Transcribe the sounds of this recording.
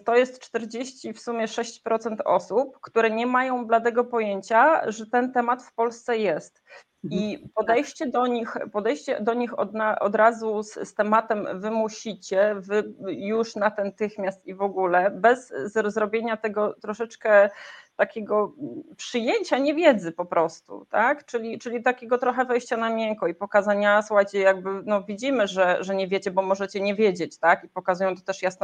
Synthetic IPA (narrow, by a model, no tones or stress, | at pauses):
t̪ɔjɛst̪t͡ʂt̪ɛɾd͡ʑeɕt͡ɕifsumʲjɛʂɛɕt͡ɕpɾɔt̪sɛnt̪ʰɔ̰supkt̪uɾɛɲɛmajɔ̃w̃blad̪ɛɡɔpɔjeɲt͡ɕaʐɛt̪ɛnt̪ɛmat̪fpɔlst̪sɛjɛst̪ | ipɔd̪ɛjʂt͡ɕɛd̪ɔɲixpɔd̪ɛjɕt͡ɕɛ̰d̪ɔɲixɔ̰d̪naʔɔ̰d̪ɾazusst̪ɛmat̪ɛmvɘmuɕit͡ɕɛvɘjuʂnat̪ɛnt̪ɘxmʲjast̪ivɔɡulɛbɛzːɾɔzɾɔbʲjeɲat̪ɛɡɔt̪ɾɔʂɛt͡ʂkɛt̪akʲeɡɔpʂɘjeɲt͡ɕaɲɛvʲjɛd̪zɘpɔpɾɔst̪ṵt̪akt͡ʂɘlʲit͡ʂɘlʲit̪akʲeɡɔt̪ɾɔxɛvɛjɕt͡ɕanamʲjɛŋkɔipɔkazaɲaswat͡ɕɛjaɡ̚bɘnɔvʲid͡ʑimɘʐɛʐɛɲɛvʲjet͡ɕɛbɔmɔʐɛt͡ɕɛɲɛvʲjed͡ʑet͡ɕt̪akipɔkazujɔ̃w̃t̪ɔ̥t̪ɛʂjasn